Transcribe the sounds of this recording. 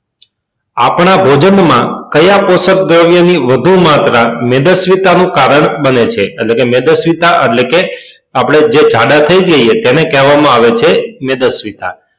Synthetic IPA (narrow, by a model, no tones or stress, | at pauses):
a̰pɳ̃abʱod͡ʒənmãkəjaposək̚d̪ɾəʋjəniʋəd̪ʱumat̪ɾamed̪əsʋit̪anũkaɾəɳbənet͡ʃʰeːʈlekemed̪əsʋit̪aʔəʈleke | apɽ̃ed͡ʒed͡ʒʱaɖat̪ʰəid͡ʒəiet̪enekɛɦʋamãaʋet͡ʃʰemed̪əsʋit̪a̰